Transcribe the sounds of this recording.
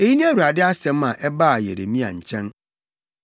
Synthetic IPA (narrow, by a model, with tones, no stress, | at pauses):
e˨ji˦nĩ˦æ˦ɾu˨a˨dɪ˦a˦sɛ̃˨˦m˦ã˨ʔɛ˦baː˦˨jɛ̰˨ɾḛ˨mĩ˦a̰˨ɲ̩˨t͡ɕʰɛ̃˦n